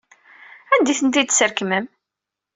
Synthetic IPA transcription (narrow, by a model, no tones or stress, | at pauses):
ænd̪iθənt̪id̪səɾkməm